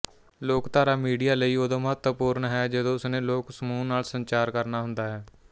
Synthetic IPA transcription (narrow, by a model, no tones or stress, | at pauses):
loːkt̪aːɾaːmiːɖijaːləiːoːd̪õːməɦət̪wəpuːɾɳɦɛːd͡ʒəd̪õːʊsnẽːloːksəmũːnaːlsənt͡ʃaːɾkəɾnaːɦʊnd̪aːɦɛː